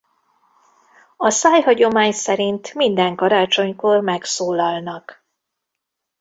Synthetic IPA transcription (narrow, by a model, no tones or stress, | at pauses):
ɒsaːjɦɒɟo̞maːɲsɛɾint̪mind̪ɛŋkɒɾaːt͡ʃo̞ɲko̞rmɛksoːlɒlnɒk